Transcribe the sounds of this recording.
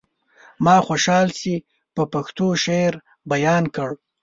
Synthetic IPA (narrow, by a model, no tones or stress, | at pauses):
mɑxoʃɑlsi | pəpaxt̪oʃeɾ | bajɑnkəɽ